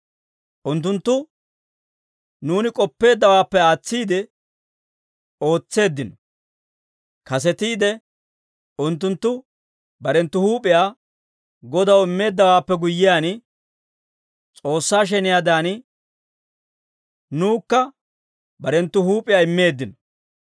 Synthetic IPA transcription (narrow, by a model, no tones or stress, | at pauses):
ʔʊnt̪̬ːʊnt̪ːʊ | nuːnɪkʼɔpːe̞ːd̪ːɐwaːpːɛaːt͡sːiːd̪ɛ | o̞ːt͡sːe̞ːd̪ːɪnɔ | kɐs̬ɛt̪iːd̪ɛ | ʊnt̪̬ːʊnt̪ːʊ | bɐɾɛnt̪ːʊhuːpʼɪjaː | ɡɔd̪ɐwɪmːe̞ːd̪ːɐwaːpːɛɡʊjːɪjaːn | t͡sʼo̞ːsːaːʃ̬ɛnɪjad̪aːnɪ | nuːkːɐ | bɐɾɛnt̪ːʊhuːpʼɪjaːɪmːe̞ːd̪ːɪnɔ